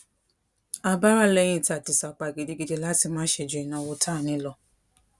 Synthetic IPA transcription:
a˧ba˦ɾa˦lɛ˦˨j̃ĩ˧˦˨ta˨ti˨sa˨k͡pa˨ɡe˨de˧ɡi˧de˧la˦ti˦˧˨mãː˦ʃe˧˨d͡ʒu˨ĩ˨nã˧˦wo˧tʰa˦˨nĩ˦lɔ˧˨

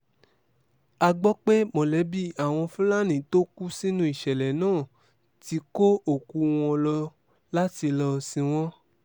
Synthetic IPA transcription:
a˧ɡ͡bɔ˦k͡pe˦mɔ̃˨lɛ˨˦bi˦a˨w̃ɔ̃˧fũ˦la˦nĩ˨to˦ku˦si˦nũ˦i˦˨ʃɛ˨lɛ˨nãː˦˨ | ti˧˦ko˦o˦˨ku˧w̃ɔ̃˧lɔ˧ | la˦ti˧lɔ˧sĩ˧w̃ɔ̃˦

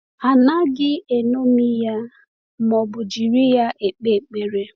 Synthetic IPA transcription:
a˨na˦ɡɪ˦e˨no˦mi˦ja˦ | mɔ˨bʊ˨d͡ʒi˨ɾi˦ja˦ʔe˨k͡pe˦˨k͡pe˨ɾe˨

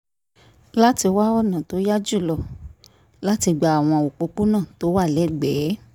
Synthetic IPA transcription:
la˦ti˧˦wa˦ɔ˦˨nã˨to˨˦ja˦d͡ʒu˦˨lɔ˧ | la˦ti˧ɡ͡ba˨a˨w̃ɔ̃˧a˨o˨k͡po˧k͡pu˦nãː˦˨to˨˦wa˦˨lɛ˨˦ɡ͡bɛː˨˦

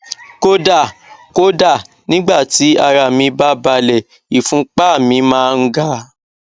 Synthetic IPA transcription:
ko˦da˦˨ko˦da˦˨ | nĩ˦ɡ͡ba˦˨ti˨˦a˧ɾa˨mĩ˧ba˦ba˧lɛ˨ | i˨fũ˨˦k͡pa˦˨mĩ˧˦mãː˦˧ŋ̩˦ɡa˦

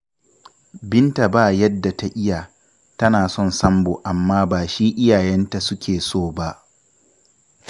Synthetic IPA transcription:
bɪ˦nta˨baː˦˨jɐ˦dːa˨ta˦˨ʔɪ˦ja˨ | tɐ˦naː˨sɔ˦nsɐ˦mboː˨ʔa˨mːaː˦baː˨ʃiː˦ʔɪ˦jaː˨jɛ˦nta˨sʊ˦kʲʰeː˨soː˦˨ba˦ʔ

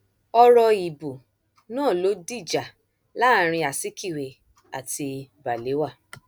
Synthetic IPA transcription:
ɔ˧ɾɔ˧i˨bu˨ | nãː˦˨lo˨˦di˦˨d͡ʒa˨ | la˦˨˦ɾ̃ĩ˧a˨si˦ki˦˨we˨ | a˨ti˧ba˨le˨˦wa˦˨

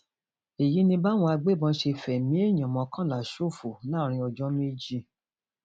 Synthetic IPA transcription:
e˨ji˨˦nĩ˧ba˦w̃ɔ̃˧a˧ɡ͡be˦˨bɔ̃˧˦ʃe˧˨fɛ˨mĩ˨˦e˦˨ɲã˨mɔ̃˨˧kã˦˨la˨ʃo˦˨fo˨nãː˦˨ɾ̃ĩ˧ɔ˧d͡ʒɔ˦mĩ˦d͡ʒi˧

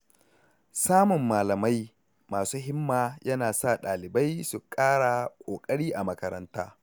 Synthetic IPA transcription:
saː˦mʊ˨mːaː˨lɐ˨ma˦j | maː˨suː˦ɦɪ˦mːaː˨jɐ˦naː˨sa˦˨ɗaː˨lɪ˨ba˦jsu˨kʼaː˦ɽa˨kʷʼoː˨kʼɐ˦ɽiː˦ʔa˨mɐ˦kɐ˦ɾɐ̰˦nta̰ː˦

